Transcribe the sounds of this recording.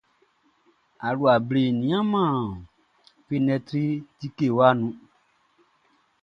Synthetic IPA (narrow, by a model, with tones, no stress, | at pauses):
a˨lu˨a˨ble˨nĩ˨˦ã˦mã˦˨ | fe˦nɛ̃˧tɾi˦ti˦ke˦˨wa˦nũ˧